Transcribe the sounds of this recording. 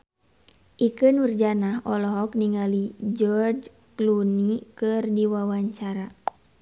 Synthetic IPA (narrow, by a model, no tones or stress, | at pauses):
ʔikənurd͡ʒanaɦɔlɔɦɔk̚niŋalid͡ʒɔrd͡ʒ | klunikɨrdiwawaɲt͡ʃaɾa